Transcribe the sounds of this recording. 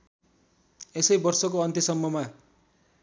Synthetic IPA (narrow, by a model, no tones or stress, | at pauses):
esʌjbʌrsʌkoʌnt̪ʰjʌsʌmːʌma